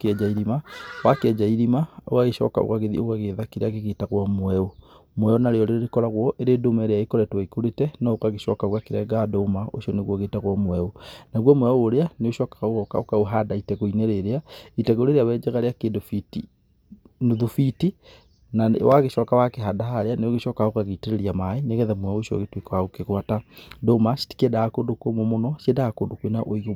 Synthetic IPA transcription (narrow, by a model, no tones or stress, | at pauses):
kɛd͡ʒaiɾimawakeɛd͡ʒaiɾimao̰waɣeʃɔ̰ka̰o̰ɣaɣeðḭoɣaɣeðakeɾeaɣeɣetaɣwɔmwɛo | mwɛonaɾeɔɾeɾeɾekɔɾaɣwɔʔeɾedomaeɾeaekɔɾɛtwaikoɾetɛnɔokaɣeʃɔkaoɣakeɾɛɡadoːmao̰ʃiɔneɣwɔɣetaɣwɔmwɛonaɣwɔmwɛoːɾeaneoʃɔːkḁɣaɣɣɔka̰okaoɦadaitɛɣoineɾeɾeaitɛɣoɾeɾeawɛd͡ʒɛɣaɾeakedofiti | noðufiti | nawaɣeʃɔkawakeɦadaɦaɾeaneoɣeʃɔkaokaɣeteɾeɾiamaeneɣɛðɛmwɛoʃiɔ̰ɣetwekawaɣokeɣwatadomasi̥ti̥kedaːkondokomomonɔʃedaːkondokwenaʔoiɣo